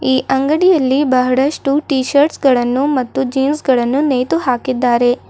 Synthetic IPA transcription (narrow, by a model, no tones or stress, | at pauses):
iːʔɐŋɡɐɽijɐlːibɐɦɐɽɐʂʈuʈiːʃɐɾʈsɡɐɭɐnːumɐt̪ːud͡ʒiːnsɡɐɭɐnːuneːjt̪uɦaːkid̪ːaːɾe̞